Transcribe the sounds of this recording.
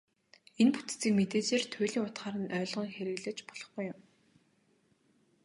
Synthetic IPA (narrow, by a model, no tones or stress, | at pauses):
enput̪t͡siːkmet̪eːt͡ɕeːrt̪ʰʊjɮʲiːŋʊt̪χaːɾə̆nœːɮʁɞ̆ːŋxeɾɘ̆ɣɮɘ̆t͡ɕpɔɮ̥ɞ̆χɡujːʊm